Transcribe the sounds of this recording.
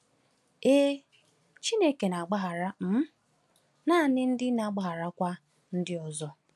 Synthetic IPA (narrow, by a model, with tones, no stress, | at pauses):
e˦ | t͡ʃi˦ne˦ke˨na˨ɡ͡ba˦ɦa˨ɾa˦m̩˦ | naː˦˨nɪ˦n̩˦dɪ˦na˨ɡ͡ba˦ɦa˨ɾa˦kʷa˦ | n̩˦dɪ˦ɔ˨zɔ˦